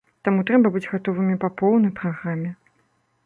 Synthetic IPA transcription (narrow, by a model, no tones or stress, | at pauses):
t̪amut̪ɾɛbɐbɨd͡zʲɣat̪ɔvɨmʲipapɔwnɐjpɾaɣɾamʲɛ